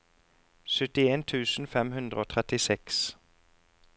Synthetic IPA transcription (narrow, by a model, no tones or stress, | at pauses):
sœt̪ɪeːnt̪ʰʉːsn̩fɛmɦʉnd̪ɾəoːt̪ʰʁɛt̪ɪsɛks